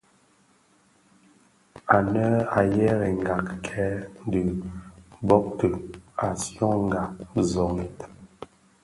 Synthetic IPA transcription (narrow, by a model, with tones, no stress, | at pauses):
a˨nə˦a˨jɛ˦ɾɛ˨ŋ˨ɡa˨kkʰɛ˨˦də˨ | bɔ˦k̚tə˨a˨sjɔ̃˦ŋ˦ɡa˨zɔ˨ŋ˨t